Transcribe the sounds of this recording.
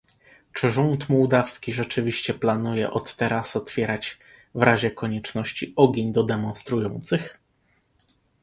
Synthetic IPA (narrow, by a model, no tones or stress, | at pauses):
t͡ʂɘʐunt̪muwd̪afskʲiʐɛt͡ʂɘvʲiɕt͡ɕɛplanujɛʔɔt̪ːɛɾasɔt̪fʲjɛɾat͡ɕ | vɾaʑɛkɔɲɛt͡ʂnɔɕt͡ɕiɔɡʲeɲd̪ɔd̪ɛmɔ̃nst̪ɾujɔnt̪sɘx